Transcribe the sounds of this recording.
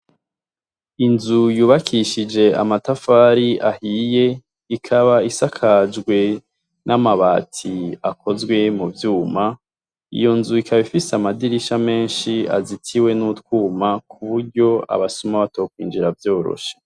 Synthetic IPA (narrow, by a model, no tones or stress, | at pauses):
inzujuːβakʰiʃid͡ʒe̞a̰matafaːɾiahije̞ | ikʰaβaisakʰad͡ʒɡwe̞ | nʔamaβaːtʰiako̞zɡwe̞muvjuːma | ḭjo̞nzuikʰaβifiseamadiɾiʃame̞ːnʃia̰zitʰiwe̞nutwuːmakʰuβuɾɟo̞a̰βasumaβatoːkwḭːnd͡ʒiɾavjo̞ːɾo̰ʃe̥